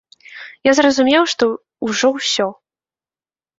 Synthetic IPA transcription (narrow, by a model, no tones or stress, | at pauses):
jazrɐzumʲɛwʂt̪ɔ | uʐɔwsʲɔ